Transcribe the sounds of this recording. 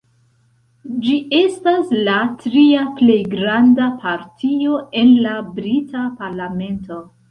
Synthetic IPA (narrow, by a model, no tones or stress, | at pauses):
d͡ʒie̞staslatɾiaple̞jɡɾandapʰaɾtʰio̞ʔe̞nlabɾitʰapaɾlame̞nto̞